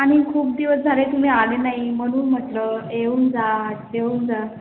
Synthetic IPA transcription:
aɽ̃ikʰuːp̚d̪iʋəsd͡zʱaɾet̪um̤iːaɽenaɦimənuːnm̤ət̪ləeʋund͡zad̪eʋund͡za

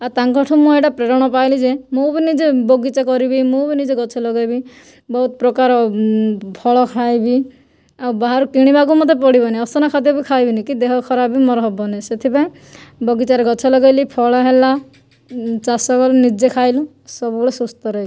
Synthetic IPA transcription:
at̪aŋkɔʈʰɔmũeʈapɾeɾɔɽ̃ɔpajlid͡ʒemubinid͡ʒeboɡit͡ʃakɔɾibimũbinid͡ʒeɡɔt͡ʃʰɔlɔɡajbi | bɔɦut̪ɔpɾɔkaɾɔ | pʰɔɭɔkʰajbi | awbaɦaɾukiɽ̃ibakumɔt̪ːepɔɽibɔniɔsɔnakʰat̪ɔbikʰajbinikid̪eɦɔkʰɔɾabimɔɾɔɦɔbɔneset̪ʰipaẽ | bɔɡit͡ʃaɾeɡɔt͡ʃʰɔlɔɡajlipʰɔɭɔɦela | t͡ʃasɔkɔlnid͡ʒekʰajlũ | sɔbubɔɭesust̪ɔɾɔi

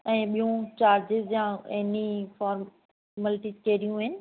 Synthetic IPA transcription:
ɛ̃ːɓijũt͡ɕaːɾd͡ʑɪzjãɛnifɔːɾm | məlɪʈid͡ʑkeːɾijũɦɪnɪ̆

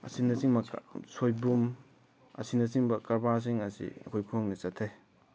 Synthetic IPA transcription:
ɐ̰sinɐsiŋmɐ̰sojbum | ɐ̰sinɐsiŋbɐkɐɾbas̬iŋɐsḭɐ̰kʰojkʰuŋnɐsɐtʰːej

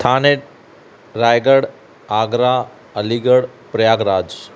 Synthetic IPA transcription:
t̪ʰaːneʈ̚ | ɾaːjɡəɽ | aːɡɾa | əliɡəɽpɾɐjaːɡɾaːd͡ʒ

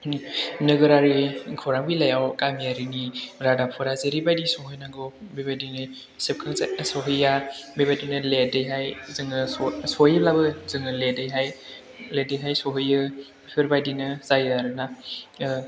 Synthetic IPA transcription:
nɯɡɯɾaɾikʰɔɾaŋbilajawkamijaɾiniɾadapʰɔɾazeɾibajdisɔɦɯjnaŋɡɔ | bebajdinɯ | sep̚kʰɯŋsɔɦɯjabebajdinɯledɯjɦajzɯŋɯsɔjɯblabɯzɯŋɯledɯjɦaj | ledɯjɦajsɔɦɯjɯ | pʰiɾbajdinɯzajaɾɯna

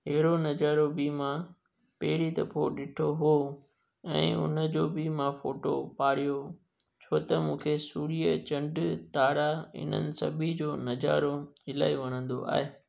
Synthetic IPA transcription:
ɦɐɦɽonɐd͡ʑaːɾobimã | pɐːɪɽid̪ɐpʰoɗɪʈʰoɦuo | ɛ̰̃ːʊ̰nəd͡ʑoːbɪmãfoːʈo̰paːɾijo | t͡ɕʰoːt̪ɐmũːkʰesuːɽiːət͡ɕɐ̃ɳɖt̪aːɽaɪ̰n̤ə̰nɪ̆sɐ̰bʱid͡ʑoːnɐd͡ʑa̰ːɾoɪla̰ːiʋɐɽ̃ə̃nd̪o̰ʔa̰ːɦeː

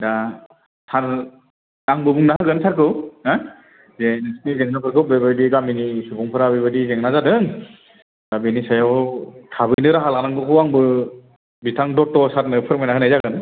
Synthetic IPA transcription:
da | tʰaɾ | aŋbɯbuŋnaɦaɡɯnsaɾkɯwa | zenɯsnizeŋnakɯɾkʰɯbebadiɡaminisubɔŋpʰɯɾabebadizeŋnazadɯŋ | dabinisajawtʰabɯjnɯɾaɦalanaŋɡɯkʰɯwaŋbɯ | bitʰaŋdɔtːɔsaɾ̚nɯpʰɯɾmajnaɦɯnajzaɡɯn

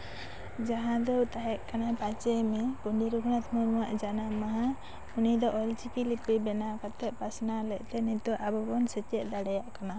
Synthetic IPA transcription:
d͡ʒaɦãd̪ɔwt̪aɦɛʔkanapat͡ʃɛmɛpuɳɖiɾukʰnat̪ʰmuɾmuwaʔd͡ʒanamaɦã | unid̪ɔʔɔlt͡ʃikilipibɛnakat̪ɛʔ̚pasnalɛʔˀt̪ɛnit̪ɔʔabɔbɔnsɛt͡ʃɛʔ̚d̪aɽɛjaʔkana

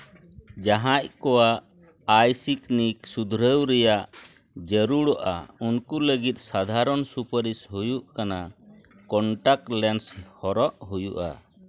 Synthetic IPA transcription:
d͡ʒaɦãc̚kɔwaʔ | ajsikniksud̪ʱɾəwɾɛjaʔ | d͡ʒəɾuɽɔʔa̰unkuləɡit̪̚sad̪ʱaɾɔnsupəɾisɦujuʔkana | kɔɳʈak̚lɛnshɔɾɔʔɦujuʔa̰

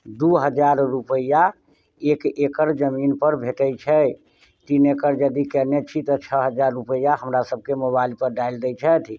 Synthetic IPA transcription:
d̪uɦəd͡ʒaɾːupəja | ekekəɾd͡ʒəminpəɾbʱeʈəjt͡ʃʰɛ | t̪inekəɾd͡ʒəd̪ikɛnet͡ʃʰit̪ɔt͡ʃʰəɦəd͡ʒaɾːupəjaɦəmɾasəb̚kemoβailpəɾɖaild̪ɛjt͡ʃʰɛt̪ʰ

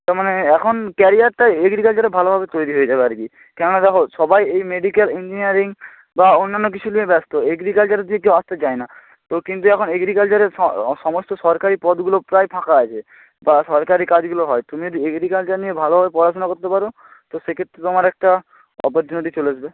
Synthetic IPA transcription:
t̪aɾmaneɛkʰonkɛɾijaɾʈaeɡɾikalt͡ɕaɾebʱalobʱabet̪ojɾiɦoed͡ʑabeaɾki | kɛɾonad̪ɛkʰoʃɔbajejmeɖikelind͡ʑiniaɾiŋ | baonːanːokit͡ɕʰuniebɛst̪oeɡɾikalt͡ʃaɾed̪iek̬ewast̪et͡ɕaena | t̪okint̪uɛkʰoneɡɾikalt͡ɕaɾeɔsɔmost̪osɔɾkaɾipɔd̪ɡulopɾajpʰakaat͡ɕʰe | basɔɾkaɾikad͡ʑɡuloɦɔet̪umiod̪ieɡɾikalt͡ʃaniebʱalobʱbepɔɾat͡ɕonakoɾt̪epaɾo | t̪osekʰet̪ːɾet̪omaɾɛk̚ʈa | ɔ̰poɾt͡ɕuniʈit͡ɕoleaʃbe

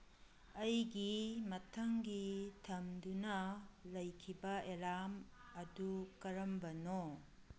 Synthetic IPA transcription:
ɐjɡimɐtʰɐŋɡitʰɐmdunɐlɐjkʰibɐeɾamɐdukɐɾɐmbɐno

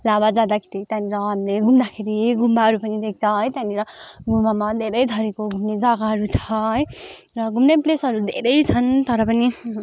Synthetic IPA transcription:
labad͡zad̪akʰi̥t̪it̪janiɾʌɦamileɡʱumd̪akʰeɾiɡʱumbaɦʌɾupʌnid̪ek̚t͡sʰʌʌjt̪janiɾʌɡʱumbamad̪ʱeɾʌjd̪ʱʌɾekoɡʱumned͡zʌɡaɦʌɾut͡sʰʌɦʌj | rʌɡʱumneplesʌɾud̪ʱeɾʌjt͡sʰʌnt̪ʌɾʌpʌni

